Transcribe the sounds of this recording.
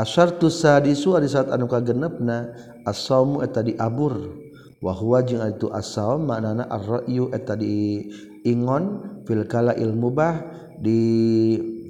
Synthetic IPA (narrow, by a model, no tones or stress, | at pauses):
ʔasart̪usadisuadisat̪anukaɡənəp̚na | asamuɛt̪adiʔabur | waɦuwad͡ʒiŋadit̪uʔa̰saɔmːaʔnanaʔa̰rɔʔjuʔɛt̪adiː | ŋɔnfilkalaʔḭlmubah | di